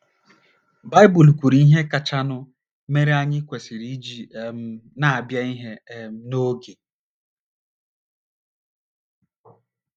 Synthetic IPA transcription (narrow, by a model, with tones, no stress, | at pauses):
ba˦ɪ˦bu˨lkʷu˨ɾi˨i˦ɦe˦ka˨t͡ʃa˦nʊ˦ | me˦ɾe˦a˦ɲɪ˦kʷe˨si˨ɾi˦d͡ʒi˨e˨m̩˦na˦a˨bja˦i˦ɦe˦˨m̩˦no˦ɡe˨